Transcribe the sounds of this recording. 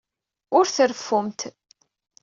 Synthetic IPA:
ʊɾθəɾfːʊmt̪

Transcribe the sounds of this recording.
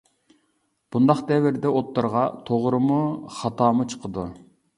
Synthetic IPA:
b̥und̪ɑχd̪ɛvɪɾd̪ɛʔot̪ːɨɾʁɑt̪ʰoʁɾɨmuχɑt̪ʰɑːmut͡ʃʰə̥qʰəd̪ṵ

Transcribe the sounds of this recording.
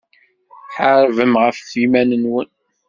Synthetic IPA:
ħəɾˤvəmʁəfθimænənwən

